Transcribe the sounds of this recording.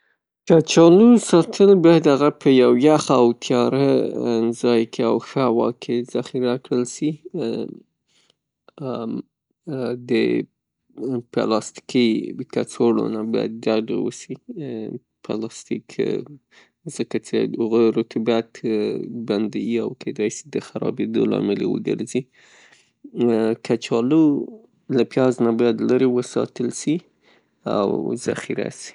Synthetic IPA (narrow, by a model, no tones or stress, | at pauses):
t͡ʃat͡ʃɑlusɑt̪ʰənabajad̪haɣapʰəjawjaxaawt̪ʰjɑɾazɑjkʰeawxəhawɑ̰kʰez̥axiɾakɽəlsi | d̪ə | pa̰lɑst̪i̥kikat͡soɽo̰naba̰ja̰d̪ːad̪a̰wṵsi | pʰalɑst̪ikʰ | zəkat͡ʃeɣoɾot̪ʰabaat̪band̪awiawkʰed̪ɑjsid̪əxaɾɑbed̪olɑ̰mɪlewə̰ɡə̰ɾzi | kʰat͡ʃɑlo | lapjɑznabɑjad̪laɾewəsɑ̰t̪əlsi | a̰wza̰xiɾa̰si̥